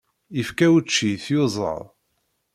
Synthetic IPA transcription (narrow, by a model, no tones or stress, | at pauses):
ifkæwt͡ʃːiθjozˤə̰ɾˤ